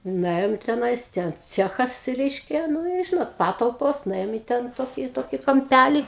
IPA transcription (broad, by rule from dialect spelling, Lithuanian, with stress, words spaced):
nʊˈeːjoːm tʲɛˈnɐɪs ˈtʲɛn ˈt͡sʲæːxɐs ˈrʲɛɪʃʲkʲɛ ˈnʊ ɪ ˈʒʲɪnoːt ˈpɑːtɐlˠpoːs nʊˈeːjoːm iː ˈtʲɛn ˈtoːkʲiː ˈtoːkʲiː kɐmʲˈpʲælʲiː